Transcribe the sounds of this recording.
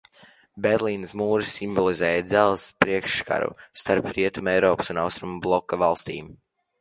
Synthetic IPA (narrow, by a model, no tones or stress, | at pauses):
beɾlˠiːnsmuːɾisːimbɔlˠizɛːjad̪zælˠspɾiɛkʃka̰ɾṵst̪aɾpɾiɛt̪umɛjɾɔːpsunawst̪ɾumublˠɔkːavalˠst̪ḭːm